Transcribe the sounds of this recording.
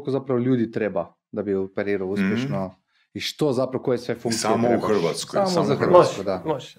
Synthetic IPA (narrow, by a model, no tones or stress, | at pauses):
kozapɾawlʲjuːd̪it̪ɾeːba | d̪abiɔpɛɾiːɾawuspʲjɛʃnɔ | iʃt̪ozapɾawkojɛsʋɛfũŋksaimuxəɾʋat̪skɔasmɔzaxəɾʋaskɔd̪amo